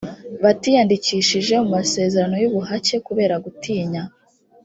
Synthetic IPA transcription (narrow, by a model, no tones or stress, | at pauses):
βatiːjandiciːʃiʒe̞umase̞ːze̞ɾano̞juβuɦace̞kuβe̞ːɾaɡutiːɲa